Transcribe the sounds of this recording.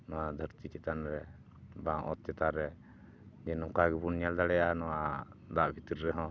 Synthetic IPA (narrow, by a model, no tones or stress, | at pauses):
nɔwad̪ʱəɾt̪it͡ʃit̪anɾɛ | baŋʔɔt̪jɛt̪aɾɛ | d͡ʒɛnɔkaɡɛpunijald̪aɽɛjanɔwad̪aʔbʱit̪ɾɾɛɦɔ̃